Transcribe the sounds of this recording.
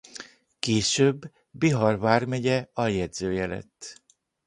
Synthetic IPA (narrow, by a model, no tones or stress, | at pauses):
keːʃøbː | iɦɒrvaːrmɛɟɛɒjɛd̪zøːjɛlɛ̰t̪ː